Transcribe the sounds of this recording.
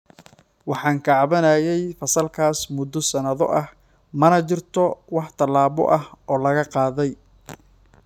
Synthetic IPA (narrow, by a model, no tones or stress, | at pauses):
wɑħɑːŋkʰɑʕβɐnɐːjɛjfɐsɐlkʰaːsmʊd̪ːɔsɐnɐðɔ̰ʔɐh | mɐnɐt͡ʃɪrt̪ʰɔwɑħt̪ʰɐlaːβɔ̰ʔɐhɔːlɐɣɐqɑːðɛj